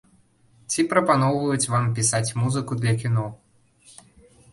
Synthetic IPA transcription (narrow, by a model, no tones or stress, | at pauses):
t͡sʲipɾɐpanɔwvɐjut͡sʲvampʲisat͡sʲmuzɨkud̪lʲɐkʲinɔ